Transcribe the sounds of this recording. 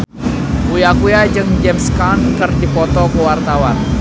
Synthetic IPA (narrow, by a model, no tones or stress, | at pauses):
kujakujad͡ʒɨŋd͡ʒɛmskankərdipɔt̪ɔkəwart̪awan